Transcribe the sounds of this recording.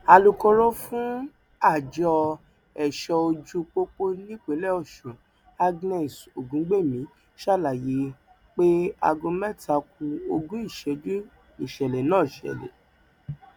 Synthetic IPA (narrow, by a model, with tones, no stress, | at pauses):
a˧lu˧kɔ˧ɾo˦fũ˦ | a˦˨d͡ʒɔ˧ | ɛ˨ʃɔ˧o˧d͡ʒu˦k͡po˦k͡po˦nĩ˦k͡pe˨˦lɛ˦ɔ˦˨ʃũ˨ | a˦ɡnɛ˦˨so˨ɡũ˨˦ɡ͡be˦˨mĩ˨˦ | ʃa˦˨la˨je˨˦ | k͡pe˦a̰˧ɡõ˧mɛ˦˨ta˧˦k̚u˧o˧ɡũ˦i˦˨ʃɛ˨d͡ʒu˦ | i˨ʃɛ˨lɛ˨nãː˦˨i˨ʃɛ̰˨lɛ̰˨